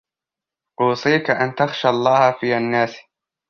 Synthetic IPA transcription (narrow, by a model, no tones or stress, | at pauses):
ʔuːsˤiːkaʔant̪axʃalˤːɑːhfiːanːaːs